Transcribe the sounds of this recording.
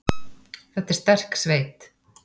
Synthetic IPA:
θɛt̪ɛɾ̥st̪ɛr̥ksveːjt̪

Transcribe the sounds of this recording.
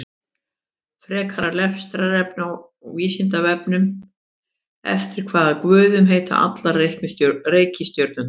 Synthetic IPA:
fɾɛːkʰaɾaɾlɛfst̪ɾaɾɛp̚naw | viːsint̪avɛpnʏm | ɛ̰ft̪ɪɾ̥kʰvaːðakvʏːðʏmɦeːjt̪a̰ʔa̰t̪laɾrejhknɪreːjcɪst̪jœɾt̪nʏm

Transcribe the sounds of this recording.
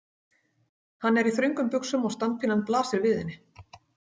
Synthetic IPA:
hanːɛɾiθɾʏŋkʏmpʏksʏmɔɣst̪ant̪̚fʰinːanplaːsɪɾvɪːðɪnːɪ

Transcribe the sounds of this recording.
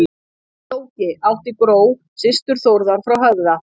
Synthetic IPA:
t̪oːwcɪʔawht̪ɪkɾoːw | sɪst̪ʏɾ̥θowɾðaɾ̥fɾawɦœvða

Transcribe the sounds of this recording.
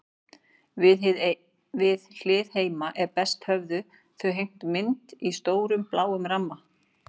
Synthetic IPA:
vɪðl̥ɪːðheːjmaʔɛɾpɛst̪hœvðʏ | θœɦejm̥t̪mɪnt̪ist̪oːwɾʏmplaːwʏmɾamːa

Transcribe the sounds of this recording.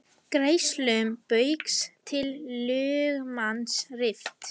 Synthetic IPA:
kɾejslœmpœɥkst̪ʰɪlːʏːɣmansrɪft̪

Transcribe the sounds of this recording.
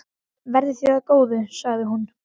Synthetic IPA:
vɛɾðɪθiaðkoːwðɪsaɣðɪɦun

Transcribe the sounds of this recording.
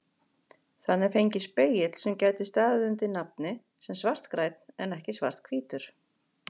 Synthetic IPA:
θanːɪɾfejɲcɪspeːjɪt̪l̥sɛmcaːjt̪ɪst̪aːðɪðʏnt̪ɪnap̚nɪ | sɛmsvar̥t̪kɾaːjt̪n̥ɛnɛhcɪsva̰r̥t̪̚kʰviːt̪ʏɾ̥

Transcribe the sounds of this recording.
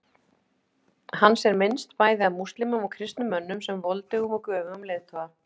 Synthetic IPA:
hanːsɛɾmɪnst̪paːjðɪaðmust̪lɪmʏmɔɣkʰɾɪst̪nʏmːœnːʏmsɛmvɔlt̪ɪumɔkœːvʏʏmlejðt̪ʰɔa

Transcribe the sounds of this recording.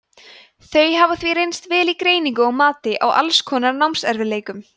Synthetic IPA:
θœɥjɦavaθviɾejnst̪vɛːlikɾeːjniŋkʏɔɣmaːt̪ɪʔa̰wʔa̰lskʰɔːnaɾnawmsɛɾvɪleːjkʏm

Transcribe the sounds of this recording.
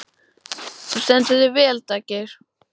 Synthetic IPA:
θɛ̥st̪ɛnt̪ʏðɪvɛːlt̪aːcɪɾ̥

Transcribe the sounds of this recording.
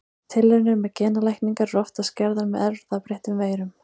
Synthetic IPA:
t̪ʰɪlːɛɾnʏɾmɛðcʰɛːnalajhkniŋkaɾːɔft̪ascɛɾðanmɛðɛɾðapɾeht̪ʏmveːjɾʏm

